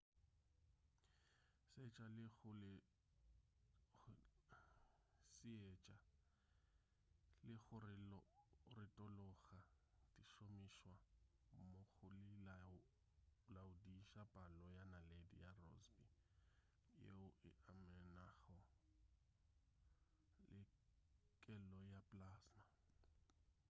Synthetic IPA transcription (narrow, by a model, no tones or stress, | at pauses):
sɛt͡ʃʼalɪɣʊlɪ | sɪɛt͡ʃʼa | lɪɣʊrɪ | rɪtʼɔlɔɣa | diʃomiʃwa | moɣʊlɪa | laʊdiʃapʼalɔjanaledḭjarɔ̰zbi | jḛʊʔɪʔamɛnaɣɔ | lɪ | kʼɛlɔjapʼlaːsma